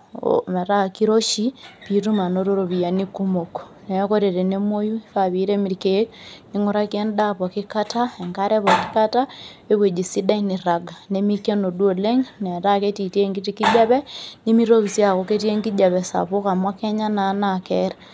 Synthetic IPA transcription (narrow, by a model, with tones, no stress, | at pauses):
me˨ɾa˦ki˦ɾo˦ʃi˦pi˨tu˦ma˨no˦ɾo˦ɾo˨βi˨ja˨ni˦ku˦mo˨ko̥ | ne˨o˦ko˦ɾe˨ɾe˨ne˦mo˦ju˦ka˨βi˦ɾe˦mi˨ɾke˦k̚ni˦ŋu˦ɾa˦ki˦e˦nda˦pɔ˨ki˦ka˦ta˦e˨ŋka˦ɾe˦βa˨ki˦ka˦ta˦ | e˦βwe˨d͡ʒi˨si˦da˦ini˨ɾa˨ɡa˨ne˦mi˦ke˦no˨du˦o˨le˦ŋne˨ta˦ke˦ti˨ti˦e˦ŋɡi˦ti˦ki˦d͡ʒa˦βɛ˦ni˦mi˦ɾo˦βi˨sja˨ko˨ke˦ti˦e˦ŋɡi˦d͡ʒa˨βɛ˨sa̰˨po˦ka˨mwa˦kɛ˦ɲa˦na˨˦nakɛɾa